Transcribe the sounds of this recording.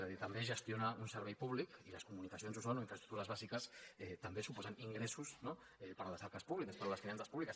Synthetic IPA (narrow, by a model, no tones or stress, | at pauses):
zaðiɾt̪ambeʒəst̪jonaunsəɾβɛjpuβ̞likiləskumunikas̬ionzusonoiɱfɾɐst̪ɾuk̚t̪uɾɐzβazikəsɛt̪ambesupɔzaniŋɡɾesusno | ɛpəɾlasaɾkaspuβlikəspəɾoləsfɾiansə̥spuβlikas